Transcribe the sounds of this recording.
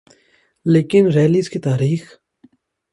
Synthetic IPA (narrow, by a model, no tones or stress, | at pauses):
leːkɪnɾeːlizkit̪aːɾiːx